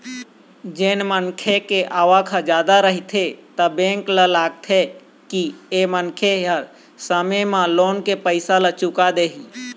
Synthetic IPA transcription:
d͡ʒeːnmənkʰekeʔaːʋakʰəd͡ʒjaːd̪aɾəɦit̪ʰet̪əbẽːŋkləlaːɡ̚t̪ʰe | kiemənkʰeəɾ | səmemãloːnkepəɪsalət͡ʃukad̪eːɦi

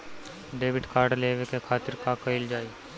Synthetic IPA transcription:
ɖeːbɪʈkaːɾɖleːʋekekʰaːt̪ɪɾkakɐɪld͡ʒaːiː

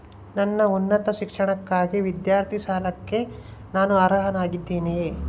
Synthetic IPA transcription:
nɐnːɐunːɐt̪ɐʃikʂɐɳɐkːaːɡiʋid̪jaːɾt̪ʰiʃaːlɐkːe̞naːnuɐɾɐɦɐnaːɡid̪ːiːni

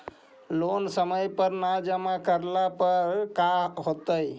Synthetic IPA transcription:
lonsəməjpəɾnad͡ʒəmakəɾlapəɾkaɦot̪əj

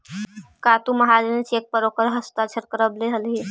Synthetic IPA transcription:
kat̪umɐɦad͡ʒənisek̚pəɾokəɾɦəst̪at͡ʃʰəɾkəɾəbleɦəlɦi

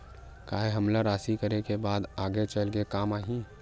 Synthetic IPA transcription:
kaːɦeɦɐmlaɾaːsikəɾekebaːd̪aːɡet͡ʃəlɡekaːmaːɦĩ

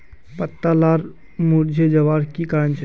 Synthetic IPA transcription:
pət̪ːalaɾ | muɾd͡ʒʱed͡ʒəʋaɾkikaənt͡ʃʰ

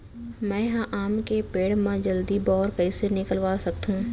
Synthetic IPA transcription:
mɛ̃ːɦãʔaːmkepeːɽmãd͡ʒɐld̪ibɔːɾkɐisenɪkəlʋaːsɐk̚t̪ɦũː

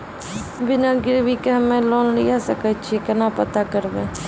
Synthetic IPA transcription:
bɪnaɡɪɾbikeɦɐmẽloːnlijasəkət͡ʃʰiekɐnapət̪akəɾbẽ

